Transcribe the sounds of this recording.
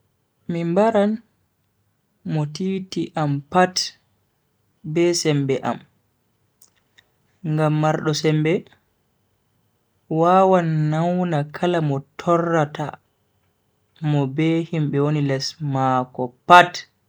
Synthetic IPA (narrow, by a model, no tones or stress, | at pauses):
mimbaɾan | mɔtiːtiʔampat | bɛsɛmbɛʔa̰m | ŋɡamːaɾɗɔsɛmbɛ | wawanːawnakʰalamɔtʰɔrːata̰ | mɔbɛhimɓɛwonilɛsmakɔpat